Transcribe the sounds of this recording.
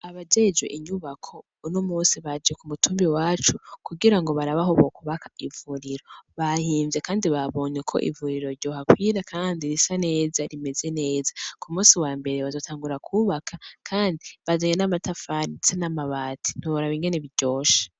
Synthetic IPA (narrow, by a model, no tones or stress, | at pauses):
aβad͡ʒe̞d͡ʒwḛʔiɲuβakʰo̞ | nomuːnsiβad͡ʒekumutʰuːmbiwaːt͡ʃukuɡiɾaŋɡo̞βaɾaβaɦoβokuβakḁivuɾiɾo̞βahiːɱvje̞kaːndiβaβo̞ːɲekʰo̞̰ʔḭvuɾiɾo̞ɾɟo̞ːhakwiːɾakʰaːndiɾisane̞ːzaɾime̞ze̞ne̞ːzakumuːsiwaːmbe̞ɾeβazo̞tʰaːŋɡuɾakʰuβakʰakʰaːndiβad͡ʒaɲenamatafanisanamaβaːtʰi̥noβaɾaβiŋɡe̞neβiɾɟo̞ːʃḁ